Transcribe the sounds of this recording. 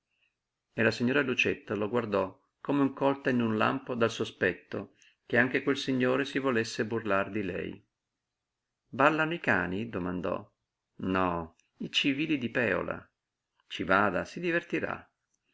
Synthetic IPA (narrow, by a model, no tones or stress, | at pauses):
elasiɲːoːɾalut͡ʃet̪ːaloɡward̪ɔ | komeuŋkɔlt̪ainunla̰mpod̪alsospɛt̪ːo | k̟eaŋk̟ekwelsiɲːoːɾesivolesːeburlard̪ilɛ̰j | balːanoikaːnid̪omand̪ɔ̰ | nɔ | it͡ʃiviːlid̪ipɛːo̰la̰ | t͡ʃivaːd̪asid̪ivert̪iɾa̰